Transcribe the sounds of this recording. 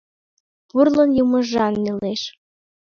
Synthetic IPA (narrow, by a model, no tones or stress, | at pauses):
purlɤnjumɤʒɑnːeleʃ